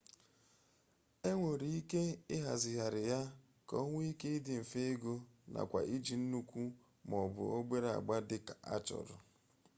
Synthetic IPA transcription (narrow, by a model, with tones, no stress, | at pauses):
e˦ŋʷo˨ɾi˦i˦ke˦ɪ˦ɦa̰˨zɪ˨ɦa˨ɾɪ˨ja˦ | kɔ˦ŋʷʊ˦i˦ke˦ɪ˦dɪ˨m̩˨fe˦e˦ɡo˦na̰˨kʷa̰˨ʔi˦d͡ʒi˨n̩˦nu˦kʷu˦ | mɔ˨bʊ̰˨o˦ɡ͡be˦ɾa̰˨ɡ͡ba˦dɪ˦ka˨ʔa̰˦t͡ʃɔ̰˨ɾʊ˨